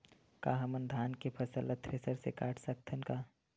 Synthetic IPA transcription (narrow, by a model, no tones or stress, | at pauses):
kaːɦɐmənd̪ʱaːnkepʰəsələt̪ʰːɾesəɾsḛka̰ːʈʰsək̚t̪ʰənka